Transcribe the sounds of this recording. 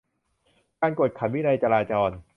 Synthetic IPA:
kaː˧nko˨˩t̪̚kʰa˨˩mwiː˦˥˩na˧jt͡ɕa˧ɾaː˧t͡ɕɔː˧n

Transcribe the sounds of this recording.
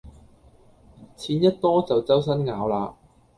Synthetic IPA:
t͡sʰiː˨˥njɐ˥t̚t̪ɔː˥t͡sɐ˨wt͡sɐ˥ws̬ɐ˥nŋaː˨˥wlaː˧

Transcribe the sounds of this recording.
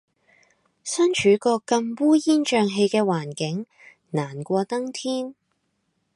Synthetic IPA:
sɐ˥nt͡ʃʰyː˨˥kɔː˧kkːɐ˧mpuː˥jiː˥nt͡ʃœː˧ŋɦe˧jkɛː˧waː˨˩nkɪ˨˥ŋ | naː˨˩nkʷɔː˧t̪ɐ˥ŋt̪ʰiː˥n

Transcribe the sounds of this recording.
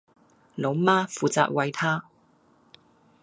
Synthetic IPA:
lo˨˥wmaː˥fuː˨t͡sa̰ː˧t̚wɐ˧jt̪ʰaː˥

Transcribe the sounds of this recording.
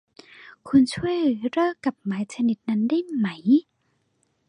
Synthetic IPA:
kʰu˧nt͡ɕʰu˥˩˨əjlɯː˩˦ɾɤː˥˩ka˨˩p̚maː˨˦jt͡ɕʰa˧ni˧˦t̪̚na˦˥nda˥˩jma˦j

